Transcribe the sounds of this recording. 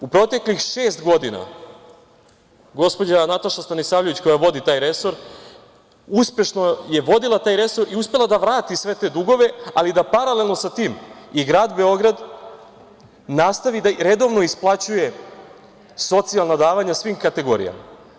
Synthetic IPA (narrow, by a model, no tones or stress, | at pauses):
upɾo̞t̪e̞klixʃe̞ːst̪ɡo̞d̪ina̰ | ɡo̞spo̞d͡ʑanat̪aʃast̪anisaːʋʎeʋit͡ɕko̞jaʋo̞d̪it̪aːjɾe̞so̞ɾ | uspe̞ʃnoje̞ʋo̞d̪ilˠat̪aːjɾe̞so̞ɾiuspe̞lˠad̪aʋɾaːt̪isʋe̞t̪e̞ːd̪uɡo̞ʋe̞alid̪apaɾale̞lˠno̞sat̪iːmiɡɾaːd̪be̞o̞ɡɾad̪ | nast̪aʋid̪aɾe̞d̪o̞ʋno̞isplˠat͡ɕuje̞ | so̞t̪sialˠnad̪aːʋaɲasʋiːmkat̪e̞ɡo̞̰ɾḭja̰ma̰